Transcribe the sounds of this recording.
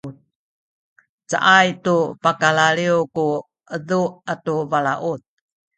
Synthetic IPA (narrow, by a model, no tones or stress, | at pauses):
t̚ | t͡sa̰ʔajtupakalaɭiuku | ʔəduʔatuvalaʔut̪̚